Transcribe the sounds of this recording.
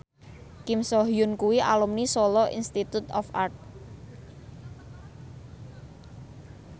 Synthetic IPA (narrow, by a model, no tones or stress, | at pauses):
kimsɔɦjʊnkuwiʔa̰lumnisɔlɔʔḭnst̪it̪ut̪ɔfʔart̪̚